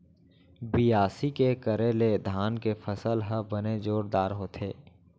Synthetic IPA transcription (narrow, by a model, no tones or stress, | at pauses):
bijaːsikekəɾeled̪ʱaːnkepʰəsəlɦəbəned͡ʒoːɾd̪aːɾɦoːt̪ʰeː